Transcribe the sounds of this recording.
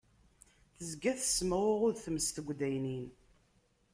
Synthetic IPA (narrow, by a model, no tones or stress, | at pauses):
θəzɡæθə̥sməwʊʁʊðθəməst̪əɡʷd̪æjnin